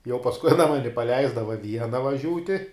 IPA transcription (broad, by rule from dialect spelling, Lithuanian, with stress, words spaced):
jɛʊ pɐsˈkʊɪ ɐˈnɐ ˈmɑːnʲɪ pɐˈlʲɛɪzdɐʋɐ ˈʋʲiɛnɐ ʋɐˈʒʲuːtʲɪ